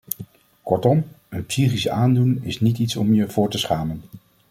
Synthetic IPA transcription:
kɔɹtɔmənpsiχisaːndunɪ̰snititsɔmjəvʊːɹtəsχaːmən

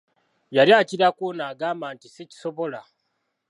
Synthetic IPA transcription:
jaljaːciɾakoːnaːɡaːmbaːntiseci̥so̞βo̞la

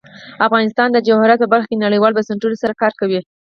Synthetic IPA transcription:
afɣɑnɪst̪ɑnd̪əd͡ʒahʊɾat̪̚pəbaɾxkenaɽəjwɑlbasaɳʈulosaɾakɑɾkawi

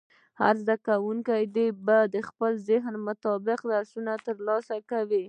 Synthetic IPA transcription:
ha̰ɾzd̪akawuŋkajd̪ebad̪əxpəlzɪɦnmʊt̪ɑbɪqd̪aɾsunat̪əɾlɑsakawi

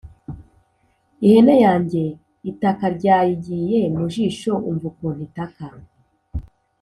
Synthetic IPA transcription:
ihe̞nejaːɲɟe̞ | itakaɾɟaːjiɟije̞muʒiːʃo̞uɱvukon̥itaka

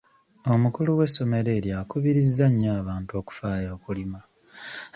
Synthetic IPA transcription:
o̞mukuluwe̞sːo̞me̞ɾe̞ːɾjakuβiɾizːaɲːaːβaːnto̞ːku̥faːjo̞ːkulima

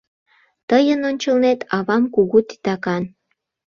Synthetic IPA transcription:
t̪əjənonʲt͡ɕəlnet̪ɑβɑmkuɣut̪i̥t̪ɑkɑn

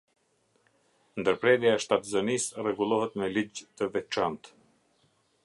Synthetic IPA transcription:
nd̪əɾpɾɛd̪jaɛʃt̪at̪zənisrɛɡulˠɔɦɛt̪mɛlid͡ʑt̪əvɛt͡ʃant̪

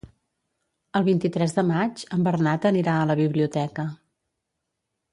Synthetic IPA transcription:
əlˠβint̪it̪ɾɛzðəmad͡ʒəmbərnat̪əniɾaələβiβliut̪ɛkə

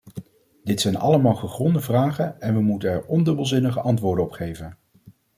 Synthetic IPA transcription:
d̥ɪtsɛjnɑ̰ləmaːlˠχəχrɔndəvraːχənɛnʋəmutənɛɹɔndɵbəlˠzɪnəχəʔɑntʋʊːɹdəɔpχejvən

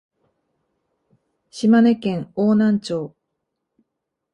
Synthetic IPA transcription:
ɕimane̞kẽ̞ŋoːnãɲt͡ɕo̞ː

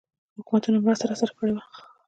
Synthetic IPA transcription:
hʊkumat̪unamɾast̪aɾasaɾakəɽewa

